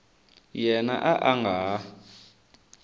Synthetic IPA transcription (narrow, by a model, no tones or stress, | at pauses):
jɛna̰ʔaʔaŋɡa